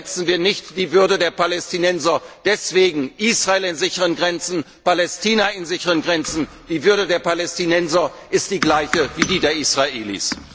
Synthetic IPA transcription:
ɛt͡sn̩viːɐnɪçtd̥iːvʏɐdədeːɐpalɛstinɛnzɐd̥ɛsv̥eːɡŋ̩ʔiːsʁ̥aeːlɪnzɪçəʁənɡʁɛnt͡sn̩ | palɛstʰiːnɐɪnzɪçəʁənɡʁɛnt͡sn̩ | d̥iːvʏɐdədeːɐpalɛstinɛnzɐ | ʔɪst̚d̥iːɡlaɪçəviːdiːdeːɐisʁ̥aʔeːlḭs

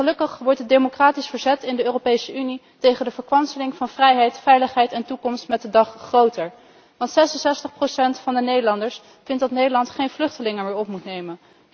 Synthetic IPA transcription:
χəlɵkəχʋɔɹtət̚demokraːtisfəɹzɛtɪndəøːropejsəʔyni | tejχəndəvəɹkʋɑnsəlɪŋvɑnvrɛjɦɛjtfɛjləχɦɛjtɛntukɔmstmɛt̚dədɑχːrowtəɹ | ʋɑntsɛsənsɛstəχprowsɛntfɑndənejdəlɑndəɹs | fɪntdɑtnejdəlɑntχejnvlɵχtəlɪŋəmɪːɹɔpmutnejmən

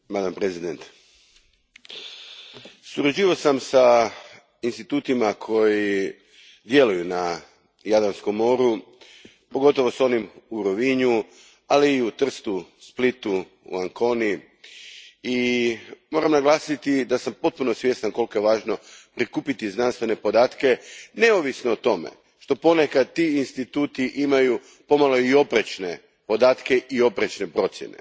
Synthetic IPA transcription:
mad̪ampɾezid̪ent̪ | suɾad͡ʑiːʋasamsa | inst̪it̪uːt̪imakʰo̞ji | d̪je̞lujuna | jad̪ɾansko̞mːo̞ːɾu | poɡo̞t̪o̞ʋo̞so̞nimuɾoʋiɲu | aliːut̪r̩st̪usplit̪u | ṵaŋko̞ni | i | mo̞ɾamnaɡlˠaːsit̪id̪asampo̞t̪̚punosʋje̞st̪anko̞lkojeʋaːʒno̞pɾikuːpit̪izd̪nanst̪ʋe̞ne̞po̞d̪aːt̪ke̞ne̞oʋisnoːt̪o̞mḛ | ʃt̪o̞po̞ne̞kad̪̚t̪ːiinst̪it̪uːt̪iʔimaju | po̞malo̞io̞pɾet͡ʃne̞ | po̞d̪aːt̪ke̞ʔio̞pɾet͡ʃnepɾo̞t̪sjene̞̰

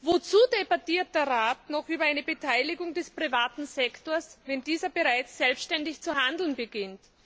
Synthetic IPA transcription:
vot͡suːdebatiːɐt̚d̥ɛːɐʁaːtnɔχʔyːbɐaɪnəbətʰaɪlɪɡʊŋdɛspʁivaːtn̩zɛktoɐsvɛndiːzɐbəʁaɪt͡sːɛlpstʃtɛndɪçt͡suɦandl̩nbəɡɪnt

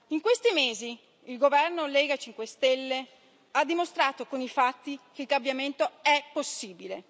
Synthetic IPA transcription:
iŋkwest̪imeːzi | ilɡovɛrnolɛːɡat͡ʃiŋkwest̪ɛlːe | ad̪ːimost̪ɾaːt̪okonifat̪ːik̟eilkambjament̪oɛpːosːiːbile

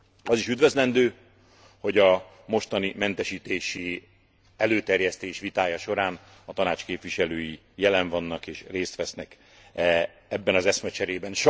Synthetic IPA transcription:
ɒziʃyd̪vø̞zlɛnd̪øː | ho̞ɟɒ | mo̞ʃt̪ɒnimɛnt̪ɛʃiːt̪eːʃi | ɛløːt̪ɛrjɛst̪eːʃʋit̪aːjɒʃo̞ɾaːn | ɒt̪ɒnaːt͡ʃkeːpvʋiʃɛløːji | jɛlɛɱvɒnːɒkeːʃreːst̪ʋɛsnɛk | ɛ | ɛbːɛnɒzɛsmɛt͡ʃɛɾeːbɛnʃ

